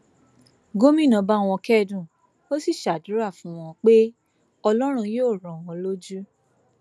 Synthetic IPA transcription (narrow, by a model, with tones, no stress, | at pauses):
ɡo˦mĩ˦˨nã˧ba˦˨w̃ɔ̃˧kɛ˦˨dũ˦˨ | o˦si˦˨ʃa˨du˨˦ɾa˦˨fũ˦w̃ɔ̃˧k͡pe˦ | ɔ˧lɔ˦ɾ̃ũ˧joː˦˨ɾ̃ɔ̃˨w̃ɔ̃˧lo˦d͡ʒu˦